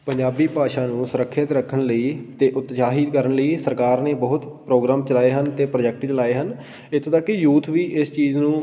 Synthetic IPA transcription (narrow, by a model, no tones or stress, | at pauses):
pəɲd͡ʒaːbiːpaːʃãːnũːsʊɾəkʰːɪt̪ɾəkʰːəɳləiːt̪eːʔʊt̪d͡ʒaːɦɪd̪kəɾəɳləiːsəɾkaːɾneːbəɦʊt̪pɾoːɡɾaːmt͡ʃəlaːeːɦənt̪eːpɾəd͡ʒɛk̚ʈt͡ʃəlaːeːɦən | ɪt̪ʰːoːt̪əkːɪjuːt̪ʰʋiːʔɪst͡ʃiːznũː